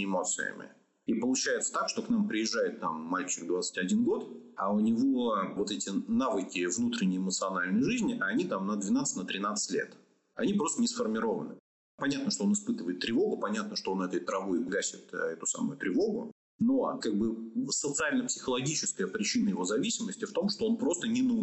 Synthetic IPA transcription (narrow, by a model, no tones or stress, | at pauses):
ɪmo̞t̪sɨ̰jə̰mʲɪ̰ | ipəlˠʊt͡ɕæjɪt̪sə̥t̪akʂt̪o̞knampɾʲɪɪʐːajɪt̪ːa̰mːalʲt͡ɕɪk̚d̪vat̪sɨ̥tʲɐdʲinɡo̞t̪aʊnʲɪvovo̞t̪ɛtʲɪnavɨkʲɪvnut̪ɾʲɪnʲɪjɪmət̪sɨɐnalʲnəjʐɨzʲnʲɪʔnʲit̪amnəd̪vʲɪnat̪sɨ̥tʲnət̪ɾʲɪnat̪sɨ̥tʲlʲḛt̪ | ɐ̰nʲipɾo̞st̪ənʲɪsfərmʲɪɾo̞və̰nɨ̰ | pɐnʲat̪nəʂt̪oo̞nɨspɨt̪ɨvəjɪt̪ːɾʲɪvo̞ɡʊpɐnʲat̪nəʂt̪oonɛt̪əjt̪ɾɐvoɪbɡasʲɪt̪ɛt̪ʊ̥sa̰mʊ̰jʊt̪ɾʲɪvo̞ɡʊ̰ | no̞kaɡ̚bɨsət̪sɨalʲnəpsʲɪ̥xəlˠɐɡʲit͡ɕɪskəjəpɾʲɪt͡ɕinəjɪvo̞zɐvʲisʲɪməsʲtʲɪft̪o̞mʂt̪oo̞npɾo̞st̪ənʲɪnə